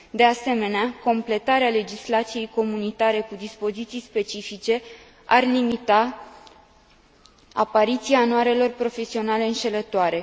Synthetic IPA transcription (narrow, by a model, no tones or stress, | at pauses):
d̪e̞ase̞me̞neako̞mple̞t̪aɾeale̞d͡ʒislat̪sije̞jko̞munit̪aɾe̞kud̪ispo̞zit̪sijspe̞t͡ʃifit͡ʃe̞ | arlimit̪a | apaɾit̪siaːnoaɾe̞lo̞rpɾo̞fe̞sio̞nale̞ɨnʃe̞lət̪oaɾe̞